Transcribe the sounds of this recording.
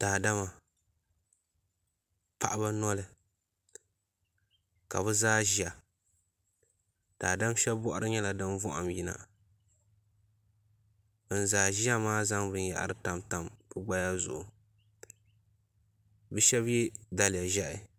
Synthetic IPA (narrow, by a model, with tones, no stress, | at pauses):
taː˨da˦ma˨ | pa̰˨ʔa˦ba˦nɔ˦lɨ˦ | ka˨bɨ˦zaː˦ʒi˦a˨ | taː˨da˦m˦ʃɛ˦bbɔ˦ʔa˦ɾɨ˦ɲɛ˦la˨dɨ˦nvɔ˦ʔa̰˨mji˦na̰˨ | n̩˨zaː˨ʒi˦a˦maː˦za˦ŋbɨ˦n˦ja̰˨ʔa̰˨ɾɨ˦ta˨mta˨mpɨ˦ɡ͡ba˦ja˦zʊ̰˨ʔʊ˨ | bɨ˦ʃɛ˦bjɛ˦da˨la˨ʒɛ˦ʔɪ˨